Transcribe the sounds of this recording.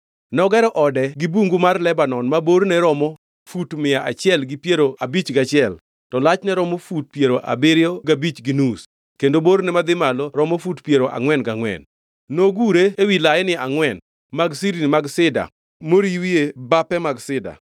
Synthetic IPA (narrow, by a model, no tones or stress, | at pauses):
nɔɡɛɾɔʔɔdɛɡɪbuŋɡumarlɛbanɔnmaboɾnɛɾɔmɔ | futmɪaʔat͡ʃɪɛlɡɪpjeɾoabit͡ʃɡat͡ʃɪɛl | tɔlat͡ʃnɛɾɔmɔfut̚pjeɾoʔa̰bɪɾɪɔɡabit͡ʃɡinus | kendoboɾnɛmad̪ɪmalɔɾɔmɔfutpjeɾoʔa̰ŋwɛnɡaŋwɛ̰n | noɡuɾeewilaɛnɪaŋwɛn | maɡsiɾinmaɡsɪda̰ | moɾiwiebapɛmaɡsɪda̰